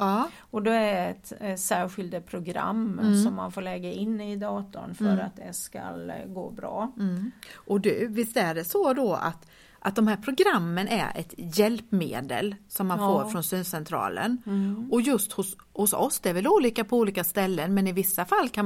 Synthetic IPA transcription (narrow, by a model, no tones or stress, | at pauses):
ɑː | ɔd̪ɛæɖɛɛt̪sæːɾɧɪld̪pʰɾʊɡɾa̰mːsɔmːanfoːɭɛɡaɪnːɪd̪ɑːt̪ʊ̰nfœɾa̰t̪̚d̪ɛ̰ska̰lɡoːbɾɑ̰ː | ʔɔd̪ɵvɪst̪æɖɛsɔd̪ɔa̰t̪ | ʔat̪̚d̪ɔmhɦæːɾpʰɾʊɡɾamːənʔæ̰ɾɛ̰t̪jɛlpmḛːd̪ə̰lsɔmːanffoːɾfɾɔnsyːnsɛnt̪ʰɾɑ̰ːlə̰nɔjɵst̪hʊshʊsɔ̰sd̪ɛɛɾvɛluːliːkapʰɔuːliːkast̪ɛlːənmɛnɪvɪsːafalːkʰa